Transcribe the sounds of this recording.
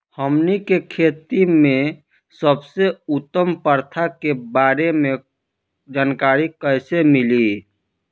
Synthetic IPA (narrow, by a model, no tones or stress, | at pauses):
həmnikekʰeːt̪imẽ | səbseʊt̪ːəmpəɾt̪ʰakebaːɾemẽ | d͡ʒaːnkaːɾikəɪsemɪli